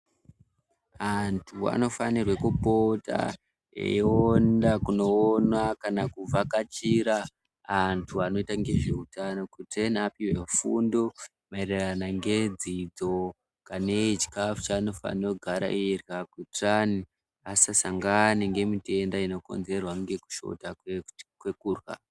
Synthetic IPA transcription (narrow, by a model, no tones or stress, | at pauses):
antʰua̰no̞fanirwekupota̰ | ḛondakuno̞ːnwakanakub͡vakat͡ʃiɾaː | ntʰuano̞itaŋɡe̞ʐe̞utano̞kutenapiwefundo | maereranaŋɡe̞d͡zid͡zo̞ | kane̞t͡ʃi̥kafu̥t͡ʃanofa̰no̞ɡʱaɾa̰ʔiirɣakutrani | asasaŋɡaneŋɡe̞mitendaino̞ko̞̰nze̞rwaŋɡe̞ku̥ʃo̞̰taekwe̞kuːrwa̰